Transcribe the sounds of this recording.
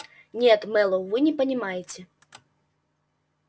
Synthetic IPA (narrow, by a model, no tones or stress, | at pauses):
nʲɛt̪mɛlˠɐwvɨnʲɛpɐnʲimajet͡sʲɛ